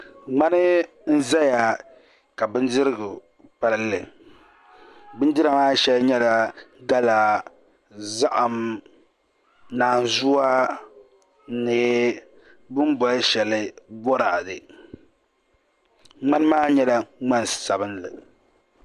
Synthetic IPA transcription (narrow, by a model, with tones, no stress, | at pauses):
ŋ͡ma˦nɨ˦ | n̩˦za˦ja˨ | ka˨bɨ˦n˦dɪ˦ɾɨ˦ɡʊ˨ | pa˦llɨ˨ | bɨ˦n˦dɨ˦ɾa˨maː˦ʃɛ˦lɲɛ˦la˨ɡa˦laː˨ | za˦ʔa˨m | naː˨n˨zu˦a˦ | nɨ˨ | bɨ˦m˦bɔ˨lʃɛ˨lɨ˦bɔ˦ɾa˨dɨ˨ | ŋ͡ma˦nɨ˦maː˦ɲɛ˦la˦ŋ͡ma˦nsa˨bɨ˦nlɨ̰˨